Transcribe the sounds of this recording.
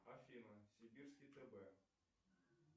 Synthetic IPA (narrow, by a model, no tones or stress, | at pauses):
ɐfʲinɐsʲibʲirskʲit̪ɛbɛ